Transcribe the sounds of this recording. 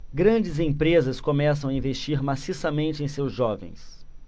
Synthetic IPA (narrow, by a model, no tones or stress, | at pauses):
ɡɾɐ̃d͡ʒɪzẽpɾezɐskomɛsɐ̃w̃aĩvest͡ʃiɾmasisɐmẽnt͡ʃɪẽj̃sewzʒɔvḛ̃j̃s